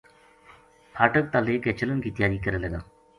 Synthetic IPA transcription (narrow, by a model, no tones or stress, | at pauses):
pʰaːʈək̚t̪aːleːket͡ʃələnkiːt̪ɪjaːɾiːkəɾeːləɡa̰ː